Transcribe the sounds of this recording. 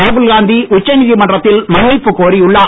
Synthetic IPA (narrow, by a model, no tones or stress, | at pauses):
ɐːbɯlɣaːnd̪iʔʊt͡ʃːɐnɪðimɐɳɖrɐt̪ːɪlmɐnːɪpːɯkoːɾiʊɭːɐ